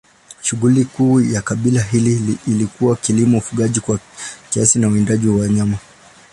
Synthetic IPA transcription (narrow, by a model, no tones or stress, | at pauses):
ʃuɠulikuːjakaɓilaɦiliːlikuwakilimɔufuɠaʄikwakiasinauɛndaʄiwawaɲama